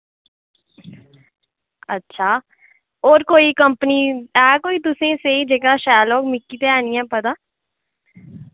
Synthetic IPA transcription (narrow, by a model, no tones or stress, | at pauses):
ə̰tːʃʰaː | oːɾkoːikəmpəniːɛːkoːiːt̪ʊsẽːseːid͡ʒeːkaːʃaːloːkmɪkːiːt̪eɛːniːɛ̃ːpət̪aː